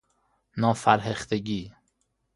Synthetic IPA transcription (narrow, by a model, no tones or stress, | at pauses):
nɒːfæɾɦeχt̪ʰeɡiː